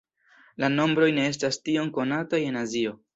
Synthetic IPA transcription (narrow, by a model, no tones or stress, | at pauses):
lano̞mbɾo̞jne̞e̞s̬tastio̞ŋko̞nataje̞nazio̞